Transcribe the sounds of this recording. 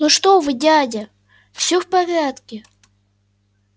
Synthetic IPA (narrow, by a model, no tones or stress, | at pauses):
noʂt̪ovɨdʲadʲɪ | fsʲofpɐvʲat̪kʲɪ